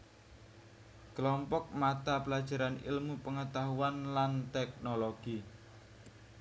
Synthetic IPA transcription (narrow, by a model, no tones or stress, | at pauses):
kəlɔmpɔk̚mat̪apəlad̥ʒ̥a̤ɾanḭlmupəŋət̪aɦuanlant̪ɛk̚noloɡ̥i